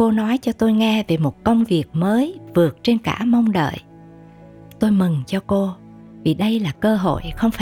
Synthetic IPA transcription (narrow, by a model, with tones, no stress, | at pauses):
ko˧nɔ˨˦jt͡ɕɔ˧t̪o˧jŋɛ˧ve˨˩mo˨˩t̚kə˧wŋ͡mvi˨˩ək̚məː˨˦jvɨ˨˩ək̚t͡ɕe˧nka̰ː˧˩mə˧wŋ͡mɗə̰ː˧˨j | t̪o˧jmɨ˨˩ŋt͡ɕɔ˧ko˧ | vi˨˩ɗə˧jlaː˨˩kəː˧ɦo̰˧˨jxə˧wŋ͡mfa˧˨